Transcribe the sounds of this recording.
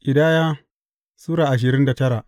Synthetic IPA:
ʔʲʼɪ˨daː˦jaː˦ | suː˦ɾaː˨ʔa˨ʃ̬ɪ˨ɾɪ˦nda˨tɐ˦ɾa˨ʔ

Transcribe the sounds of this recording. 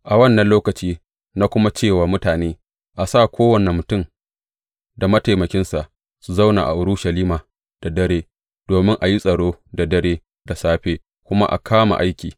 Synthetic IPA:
ʔa˨wɐ˦˨nːɐ˨nloː˦kɐ˨t͡ʃiː˦ | na˦kʷʊ˦ma˦t͡ʃeː˦˨waː˨mʊ˦taː˨neː˦ | ʔa˨sa˦˨kʷʰoː˦wɐ˨nɪ˨mːʊ˨tʊ˦˨m | da˨mɐ˦ta˨mɐ˨kʲɪ˦nsa˨ʔ | su˨za˦˨wna̰˨ʔa̰˨ʔʊ˨ɾʊ˦ʃɐ˨liː˦maː˨ | d̥a˨dɐ˦ɾeː˦ | d̥oː˨mɪ˦ŋʔa˨ji˦sʼɐ˨ɽoː˦da˨dɐ˦ɽeː˦ | da˨saː˦ɸeː˦ | kʷʊ˦ma̰˦ʔa̰˨kʰaː˦ma̰˨ʔa˦jkʲiː˨

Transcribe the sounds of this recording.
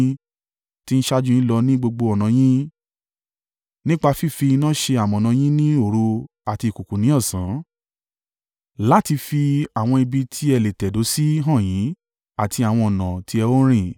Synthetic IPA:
ti˦n̩˦ʃa˦d͡ʒũ˦ĩ˦lɔ˧nĩ˦ɡ͡bo˧ɡ͡bo˧ɔ˨nã˨˦j̃ĩ˦ | nĩ˦k͡pa˧fi˦˨fi˧nãː˦ʃe˧a˨mɔ̃˨nã˨˧˦j̃ĩ˦nĩ˦o˦˨ɾu˧˦ | a˨ti˧˨ku˨ku˨nĩ˨˦ɔ˦˨sã˨˦ | la˦ti˧fi˧a˨w̃ɔ̃˧i˧bi˧tʰi˦ɛ˧˨le˨tɛ˨do˨˦si˦ɦã˦˨jĩ˨˦ | a˨tʰi˧a˨w̃ɔ̃˧ɔ˨nã˨ti˧˦ɛ˧o˦ɾ̃ĩ˦˨

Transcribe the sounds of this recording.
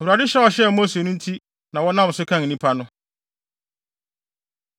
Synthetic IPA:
o˨wu˨ɾa˨dɪ˦ɕɛ˦ɔ˨ɕɛ˦˨mo˦se˨nʊ̃˦n̩˦tʰi˦ | nã˨wɔ˦nã˦m˨sʊ˦kʰã˦˨ŋ˨nĩ˦pʰa˦nʊ̃˦

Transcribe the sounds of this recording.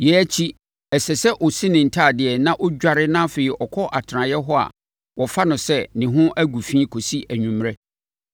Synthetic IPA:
jɛ˨˦æ˦t͡ɕʰi˦ | ɛ˨sɛ˨sɛ˦ʔɔ˨si˦nɪ̃˨n̩˨tʰaː˦˨dɪ˨ɛ˨nã˦ʔɔ˦d͡ʑᶣa˨ɾɪ˦nã˦fɪ˨i˨ʔɔ˨kʰɔ˦ʔa˨tʰɪ˨ɾã˨jɛ˦ɦɔ˦a̰˨ | wɔ˨fa˦nʊ̃˨sɛ˦nɪ̃˨ɦʊ̃˦ʔæ˦ɡu˨fĩː˦kʰo˨si˦ʔæ˨ɲᶣũ˨m˦ɾɛ˦

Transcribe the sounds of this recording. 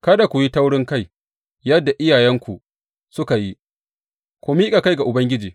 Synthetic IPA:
kɐ˦da˨kʷu˨ji˦ta˦wɽɪ˦ŋka˦j | jɐ˦dːa˨ʔɪ˦jaː˨jɛ˦ŋkʷu˨ | sʊ˦ka˨ji˦ | kʷo˦miː˦kʼa˨ka˦jɡa˨ʔʊ˨bɐ˦ŋɡʲɪ˦d͡ʒiː˨

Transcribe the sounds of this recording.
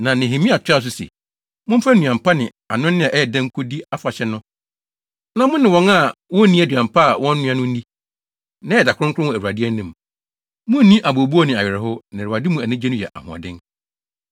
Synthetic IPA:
nã˨nɪ̃˨ɦĩ˨mĩ˦a˨tʰᶣa˦s̬ʊ˦sḛ˨ | mʊ̃˦m̩˦fa˦nũ˨ã˨m̩˨pʰa˦nɪ̃˨ | a˨nʊ̃˦nɪ̃˦a˨ʔɛ˦˨dã˦ŋ̩˦kʰʊ˦di˦a˦fa˨ɕɛ˦nʊ̃˦ | nã˨mʊ̃˦nɪ̃˨wɔ̃˦na˦˨wɔ̃˦nĩ˦æ˨dɥã˨m˨pʰa˦˨wɔ̃˦n˦nʊ̃˦ã˦nʊ̃˦n̩˦di˦ | nã˦ɛ˨da˨kʰʊ̃˦ŋ˦kʰʊ̃˦wɔ̃˨æ˨wu˨a˨dɪ˦ɛ˦nĩ˦m | mʊ̃˦nĩ˦ʔa˨bo˨bu˦ɔ˦nɪ̃˨a˨ɥɪ˨ɾɛ˨ɦʊ˦nɪ̃˨a˨dɪ˦mũ˨æ˨nĩ˦d͡ʑɛ˦nʊ̃˦jɛ̰˨ʔa̰˨hʊ̃˨ã̰˨dɪ̃˦n

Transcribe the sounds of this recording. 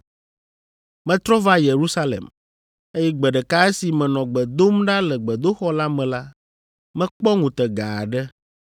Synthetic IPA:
mɛ̃˨t̪ɾɔ˦va˦je˨ɾu˦sa˦lḛ˨m | e˦jɛ˦ɡ͡bɛ˨ɖɛ˨ka˦ɛ˦si˨mɛ̃˨nɔ̃˨ɡ͡bɛ˨d̪o˦mɖa˦lɛ˨ɡ͡bɛ˨d̪o˦xɔ˦la˦mɛ̃˨la˦ | mɛ̃˦k͡pɔ˦ŋũ˨t̪ɛ˨ɡa˨ɖɛ˦

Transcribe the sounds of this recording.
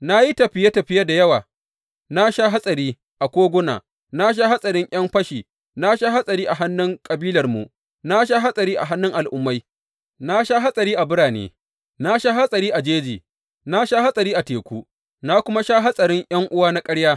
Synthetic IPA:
na˦ji˦tɐ˨ɸɪ˨je˦tɐ˨ɸɪ˦ja˦da˨jɐ˦waː˨ | na˦ʃa˦ɦa˦sʼɐ˨ɾiː˦ | ʔa˨kʷoː˦ɡʷʊ˦na̰ː˨ | na˦ʃ̬a˦ha˦sʼɐ˨ɾɪ˦ŋʔʲɐ˦mɸɐ˦ʃiː˨ | na˦ʃa˦ɦa˦sʼɐ˨ɾiː˦ʔa˨ɦa˦nːʊ˦ŋkʼɐ˨biː˦lɐ˨rmṵ˨ʔ | na˦ʃ̬a˦ɦa˦sʼɐ˨ɾiː˦ʔa̰˨ɦa˦nːʊ˦ŋʔa˨lʔʊ˦mːa˦j | na˦ʃa˦ɦa˦sʼɐ˨ɾiː˦ʔa˨bʊ˦ɽaː˨nḛː˨ | na˦ʃa˦ɦa˦sʼɐ˨ɾiː˦ʔa˨d͡ʒeː˦d͡ʒiː˨ | na˦ʃa˦ha˦sʼɐ˨ɾiː˦ʔa˨teː˨kʷuː˦ | na˦kʷʊ˦ma˦ʃa˦ɦa˦sʼɐ˨ɾɪ˦ŋʔj̰ɐ˦ŋʔʊ˦waː˦na˦kʼɐ˦ɽjaː˦

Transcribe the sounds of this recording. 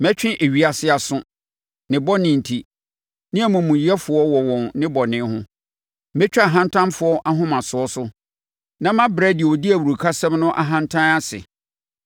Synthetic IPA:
mɛ˦t͡ɕᶣɪ̃˦ʔe˨ɥi˨˦a˨sɪ˦a˨sʊ̃˦ | nɪ̃˨bɔ˦nɪ̃˨n̩˨tʰi˨ | nɪ̃˦æ˨mũ˨mũ˨ji˨˦ɛ˦fʊ˨ɔ˦wɔ˨wɔ̃˨nnɪ̃˦bɔ˨nɪ̃˦hʊ̃˦ | mɛ̃˦t͡ɕᶣa˦a˨ɦã˦ntʰã˦nfʊ˦ɔ˦ʔa˦ɦʊ̃˦mã˨sʊ˨ɔ˦sʊ˦ | nã˦mã˦bɾɛ˦dɪ˨wɔ˨dɪ˦æ˨wu˨ɾu˨kʰa˦sɛ̃˦mnʊ̃˦ʔa̰˨ɦã˦ntʰã˦na˦sɪ̰˨

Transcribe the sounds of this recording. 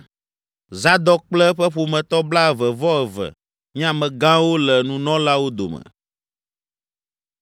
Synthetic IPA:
za˦d̪ɔ˦k͡plɛ˦ɸɛ˦ɸo˨mɛ̃˨t̪ɔ˦bla˦ɛ˨vɛ˨vɔ˦ɛ˨vɛ̰˨ | ɲĩ˦ã˨mɛ̃˨ɡã˦wo˦lɛ˨nũ˦nɔ̃˦la˦wo˦d̪o̰˨mɛ̰˨

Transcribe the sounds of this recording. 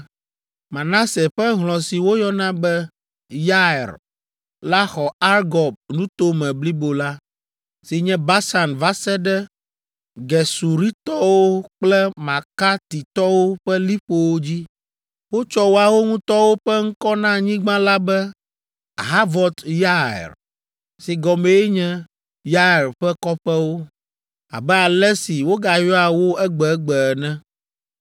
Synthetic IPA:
mã˨nã˦se˨ɸɛ˦ɦlɔ̃˨si˨wo˦jɔ˦nã˦bɛ˦ | ja˦ɛ˨ɾ | la˦xɔ˨a˦ɾɡɔ˨b̚nũ˦t̪o˦mɛ̃˨bli˦bo˨la˦ | si˨ɲɛ̃˦ba˦sa˨nva˦sɛ˦ɖɛ˦ | ɡɛ˨su˨ɾi˦t̪ɔ˦wo˦k͡plɛ˦mã˨ka˦t̪i˨t̪ɔ˦wo˦ɸɛ˦li˦ɸo˦wo˦d͡ʑi˦ | wo˦t͡ʃɔ˦wo˦a˨wo˦ŋũ˦t̪ɔ˦wo˦ɸɛ˦ŋ̩˦kɔ˦nã˦ɲĩ˦ɡ͡bã˦la˦bɛ˦ | ɦa˦vɔ˦t̪ja̰˦˨ɾ | si˨ɡɔ˨mẽ˨je˦ɲɛ̃˦ | ja˦˨ɾɸɛ˦kɔ˦ɸɛ˦wo˦ | a̰˨bɛ˦a˨lɛ˦si˨wo˦ɡa˨jɔ˦a˨wo˦ɛ˦ɡ͡bɛ˨˦ɡ͡bɛ˨nɛ̃˦

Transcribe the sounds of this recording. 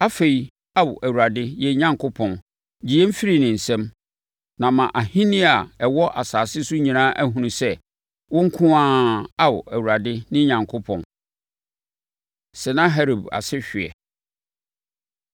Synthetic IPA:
a˦fe˨i˨ | a˦wʊ˨ʔæ˨wu˨ɾa˨dɪ˦jɛ˨˦ɲã˦ŋkʰʊ˦pʰɔ̃˨n | d͡ʑi˨ɛ˦m̩˦fi˦ɾi˨nɪ̃˨n̩˨sɛ̃˦m | nã˨mã˨ʔa˨hĩ˦nɪ̃˦a˨ɛ˨wɔ˦ʔa˨saː˨sɪ˦sʊ˦ɲĩ˨nãː˦ʔæ˦ɦũ˨nũ˨sɛ˦ | wɔ̃˦ŋ̩˦kʰʊ̃˦ãː˦a˦wʊ̰˨æ˨wu˨ɾa˨dɪ˦nɪ̃˦ɲã˨ŋkʰʊ˦pʰɔ̃˨n | sɛ˨nã˦ɦɛ˦ɾo˨ba̰˨sɪ˦ɕᶣɪ˨ɛ̰˨

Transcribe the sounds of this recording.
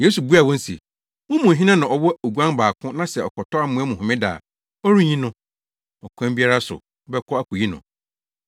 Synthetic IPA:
jeː˦su˨bu˦a˨wɔ̃˦n̩˦sḭ˨ | wʊ̃˦mũ˨ɦĩ˦nã˦nã˨ɔ˨wɔ˦o˨ɡu˦ã˦nbaː˨kʰʊ̃˦nã˦sɛ˨ɔ˨kɔ˨tʰɔ˦a˦mʊ̃˦æ˦mʊ̃˨hʊ̃˨mɪ̃˦da̰ː˨ | ɔ˦ɾi˦ɲĩ˦nʊ̃˦ | ɔ˨kʷʰã˦mbi˦a˦ɾa˦sʊ̰˨˦ | bɛ˦kʰɔ˦a˦kʰu˨ji˦nʊ̰̃˨

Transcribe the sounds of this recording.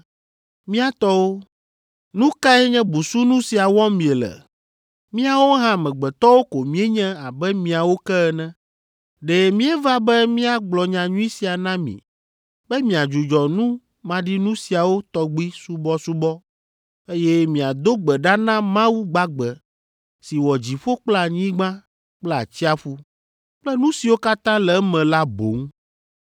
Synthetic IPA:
mĩ˦a˨t̪ɔ˦wo˦ | nũ˦ka˦ɛ˦ɲɛ̃˦bu˨su˦nũ˦si˨a˨wɔ˦mĩ˨e˨lɛ̰˨ | mĩ˦a˨wo˦ɦã˦mɛ̃˨ɡ͡bɛ˨t̪ɔ˦wo˦ko˨mĩ˦e˦ɲɛ̃˦a˨bɛ˦mĩ˨a˨wo˦kɛ˦ɛ˨nɛ̃˦ | ɖɛ˨mĩ˦ɛ˦va˦bɛ˦mĩ˦a˦ɡ͡blɔ˨ɲã˨ɲũ˦i˦si˨a˨nã˦mḭ̃˨ | bɛ˦mĩ˨a˨d͡ʒu˨d͡ʒɔ˨nũ˦ | mã˦ɖi˦nũ˦si˨a˨wo˦t̪ɔ˨ɡ͡bi˦su˦bɔ˦su˦bɔ˦ | e˦jɛ˦mĩ˨a˨d̪o˦ɡ͡bɛ˨ɖa˦nã˦mã˦wu˦ɡ͡ba˦ɡ͡bɛ˨ | si˨wɔ˨d͡ʑi˨ɸo˦k͡pla˨ɲĩ˦ɡ͡bã˦ | k͡plɛ˦a̰˨t͡ɕi˦a˨ɸu˦ | k͡plɛ˦nũ˦si˨wo˦ka˦t̪ã˦lɛ˨˦mɛ̃˨la˦bo̰˨˦ŋ˦

